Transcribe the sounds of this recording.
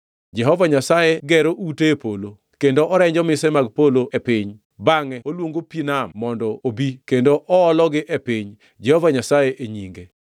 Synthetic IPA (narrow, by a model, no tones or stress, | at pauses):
d͡ʒɛɦɔvaɲasajeɡɛɾoʔutepolo | kendoʔɔɾɛɲd͡ʒɔmɪsɛmaɡpoloʔepɪɲ | baŋɛolwoŋɡopinamːɔndɔobikendoʔɔɔlɔɡɪʔepɪɲ | d͡ʒɛhɔvaɲasajeʔeɲiŋɡe